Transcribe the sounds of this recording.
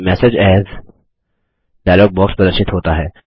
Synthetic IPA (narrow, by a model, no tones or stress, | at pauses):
mɛsed͡ʒɛːz | ɖajlɔːɡ̚bɔːkspɾəd̪əɾʃɪt̪ɦoːt̪aɦɛː